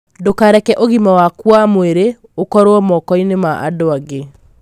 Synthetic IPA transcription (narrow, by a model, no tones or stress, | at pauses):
dokaɾɛkɛʔoɣimawakwamoeɾe | okɔɾoɔmɔkɔinemaʔa̰doaɡe